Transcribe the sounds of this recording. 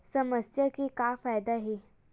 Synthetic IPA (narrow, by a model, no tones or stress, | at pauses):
səməsjəkiːkafajd̪aɦe